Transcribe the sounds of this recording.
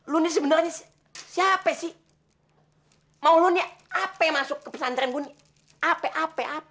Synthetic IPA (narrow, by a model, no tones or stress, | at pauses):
lunis̬əbənərɲa | siapɛsi | mauluniapɛjamasʊkːəpəsand̪əɾanɡuni | apɛʔapɛʔapɛ